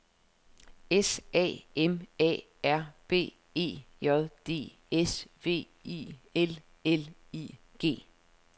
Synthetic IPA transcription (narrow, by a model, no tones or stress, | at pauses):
esɛ̰ːemɛ̰ː | æɐ̰b̥e̝̰ː | e̝̰ːjɒ̽ðˠd̥e̝̰ː | esʋe̝̰ː | iel | eliːɡ̥e̝̰ː